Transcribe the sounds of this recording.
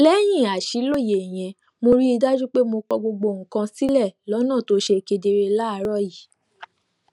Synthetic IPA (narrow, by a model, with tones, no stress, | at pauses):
lɛ˦j̃ĩ˦˨a˨ʃi˨˦lo˦˨je˨j̃ɛ̃˧ | mo˧ɾi˦i˧da˦d͡ʒu˦k͡pe˦mo˧k͡pɔ˧ɡ͡bo˧ɡ͡bo˧˨ŋ̩˨kã˧si˦lɛ˦˨lɔ˨˦nã˦˨to˨˦ʃe˧ke˧de˧ɾe˧la˦˧˦ɾɔ˦˨ji˨